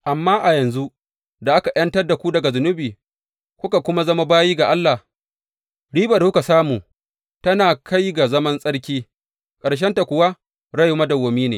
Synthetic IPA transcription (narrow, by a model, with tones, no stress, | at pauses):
ʔa˨mːaː˦ʔa˨jɐ˨nzu˦ | da˨ʔa˦ka˨ʔjɐ˦ntɐ˦rda˨kʷu˦dɐ˨ɡa˨zʊ˨nʊ˦biː˨ | kʷʊ˦ka˨kʷʊ˦ma˦zɐ˦ma˦baː˦jiː˦ɡa˨ʔa˦lːa˨h | ɽiː˦bɐ˨kʷʊ˦ka˨saː˦muː˨ | tɐ˦naː˨kʰa˦jɡa˨zɐ˦mɐ˦nsʼɐ˦ɽk̬ʲiː˦ | kʼɐ˨ɽʃ̬ɛ˦nta˨kʷʊ˨wa˦ | ɽɐ˦ju˦mɐ˦dɐ˨woː˨miː˦neː˨